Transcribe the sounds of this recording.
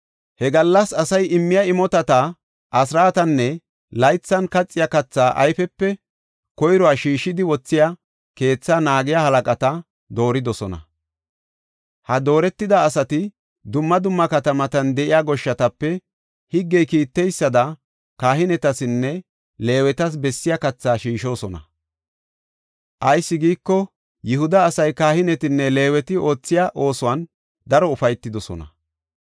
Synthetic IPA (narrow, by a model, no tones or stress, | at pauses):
hɛɡɐlːɐsɐsɐjɪmːɪjɐɪmɔt̪ɐt̪a | ʔɐsɾaːt̪ɐnːɛ | lɐjt͡sːɐnkɐt͡sʼːɪjakɐt͡sːaːʔɐ̰jfɛpːɛ | kɔjɾɔaːʃiːʃːɪd̪ɪwɔt͡sːɪja | ke̞ːt͡sːaːnaːɡɪjahɐlɐkʼɐt̪ɐ | d̪o̞ːɾɪd̪ɔsɔnɐ̰ | hɐd̪o̞ːɾɛt̪ːɪd̪ɐːsɐt̪ɪ | d̪ʊmːɐd̪ʊmːɐkɐt̪ɐmɐt̪ɐnd̪ɛʔɪjaːɡɔʃːɐt̪ɐpːɛ | hɪɡːɛjkiːt̪ːɛjsːɐd̪ɐ | kaːɦɪnɛt̪ɐsɪnːɛ | le̞ːwɛt̪ɐs̬bɛsːɪjɐkɐt͡sːaːʃiːʃo̞ːsɔnɐ̰ | ʔɐjsːɪɡiːkːɔ | jɪhʊd̪ɐːsɐjkaːhɪnɛt̪ɪnːɛle̞ːwɛt̪ɪʔo̞ːt͡sːɪjaʔo̞ːsʊwɐn | d̪ɐɾɔʊfɐjt̪ːɪd̪ɔsɔ̰nɐ̰